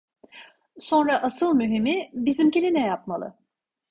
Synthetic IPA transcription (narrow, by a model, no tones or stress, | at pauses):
so̞nɾaʔasɯlˠmyɦimibizimcilʲinɛjapmalˠɯ̰